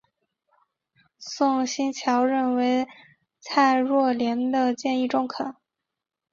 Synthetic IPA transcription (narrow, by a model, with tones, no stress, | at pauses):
sʊ˥˩˧ŋɕi˥nt͡ɕʰjɑ˧˥ʊɻə˥˩nwe˧˥ɪ | t͡sʰa˥˧ɪɻwɔ˥˩ljɛ˧˥nd̪ə˧t͡ɕjɛ˥˧ni˥˩ʈ͡ʂʊ˥˩ŋkʰə˨˩˦n